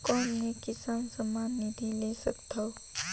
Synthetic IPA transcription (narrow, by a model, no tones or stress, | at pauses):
kɔːnmẽkɪsaːnsəmaːnːid̪ʱileːsɐkt̪ao